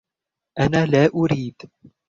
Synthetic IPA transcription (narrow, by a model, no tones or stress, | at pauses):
ʔanaːlaːʔʊɾiːd̪